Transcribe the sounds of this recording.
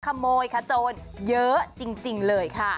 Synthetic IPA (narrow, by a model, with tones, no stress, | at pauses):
kʰa˧moː˧jkʰa˧˩t͡ɕoː˧njɤ˦˥t͡ɕi˧ŋt͡ɕi˧ŋlɤː˧jkʰa˥˩